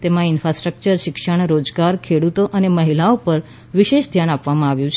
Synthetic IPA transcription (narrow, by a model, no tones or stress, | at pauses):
t̪emãɪnfɾasʈɾək̚t͡ʃəɾʃɪkʃəɳɾod͡ʒɡaɾkʰeɽut̪oʔəneməɦilaopəɾ | ʋiʃeʃd̪ʱjanapʋamãaʋjũt͡ʃʰe